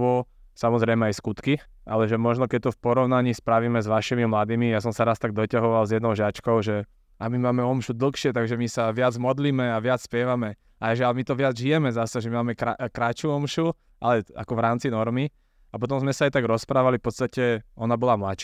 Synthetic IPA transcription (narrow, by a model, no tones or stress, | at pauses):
ʋɔsamɔzɾɛjmɛajskut̪kia̰lɛʒɛmɔʒnɔkɛc̚t̪ɔfpɔɾɔʊnaɲiːspɾaʋiːmɛzʋaʃimimlad̪iːmijas̬ɔmsaɾast̪aɡ̚d̪ɔcaɦɔʋalzjɛd̪nɔʊʒat͡ʃkɔʊʒɛ | amimaːmɛɔmʃud̪l̩xʃɪɛt̪aɡʒɛmisaʋɪad͡zmɔd̪liːmɛaʋɪat͡sspjɛʋamɛ | ajʒialmit̪ɔʋɪad͡zʒijɛmɛzasɛʒɛmimaːmɛka̰kɾat͡ʃuɔmʃu | ʔalɛa̰kɔʋɾaːmt͡sinɔɾmi | apɔt̪̬ɔ̃mzmɛsaajt̪aɡɾɔspɾaːʋalifpɔt͡st̪acɛɔnabɔlamlaʃ